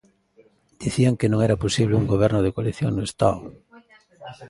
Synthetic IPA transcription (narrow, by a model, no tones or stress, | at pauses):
d̪̥iθiaŋkenõŋɛɾaposiβleuŋɡoβ̞eɾnoð̞ekoaliθjoŋnoest̪a̰o